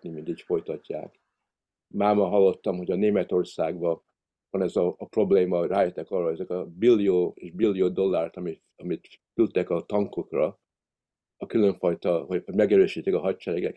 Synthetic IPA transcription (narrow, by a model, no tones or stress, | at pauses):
nimind̪iːcfo̞jt̪ɒcːa̰ːk | maːmɒɦɒlːo̞t̪ːɒmɦo̞ɟɒneːmɛt̪o̞rsaːɡbɒ | vɒnɛzɒːpro̞bleːmɒraːjɛt̪ːɛkɒrːɒɛzɛkɒbilːijoːeʒbilːijoːd̪o̞lːaːrt̪ɒmi | ɒmit̪ | kylt̪ɛkɒt̪ɒŋkokrɒ | ɒkylø̞ɱfɒjt̪ɒɦoɒɟmɛɡɛɾøːʃiːt̪ːikɒɦɒct͡ʃɛɾɛɡɛk